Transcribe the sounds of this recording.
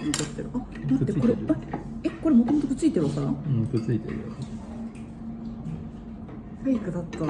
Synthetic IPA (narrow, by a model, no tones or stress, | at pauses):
mit̪ot̪ːeɾɯ̟ʔa | d̪ãt̪ːekkoɾeae̞ko̞ɾe̞mo̞t̪o̞mot̪okɯ̟t͡sɨit̪eɾɯβak̪ːaɾaɯ̃kɯ̟t͡sɨit̪ḛɾɯ̰ak | taikɯ̟d̪at̪ːa